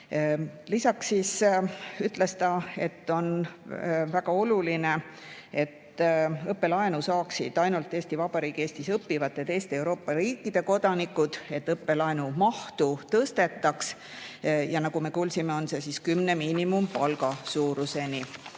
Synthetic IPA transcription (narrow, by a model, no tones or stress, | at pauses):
lisɑksːis | yt̪ːˑle̞st̪ɑe̞t̪ːo̞n | væɡ̥ɑo̞luline̞ | e̞t̪ːɤpːe̞lɑenusɑːksid̪̥ɑjnult̪ːˑeːst̪ivɑb̥ɑɾiːɡ̥ie̞ːst̪isɤpːivɑt̪ːˑed̪̥e̞ːst̪ee̞wɾo̞ːpːɑɾiːkːˑid̪̥e̞ko̞d̪̥ɑnikːˑud̪̥e̞t̪ːɤpːe̞lɑenumɑht̪ut̪ɤst̪e̞t̪ːˑɑks | jɑnɑɡume̞kuːlsime̞o̞nse̞siskymne̞miːnimumpɑlɡɑsuːɾuse̞ni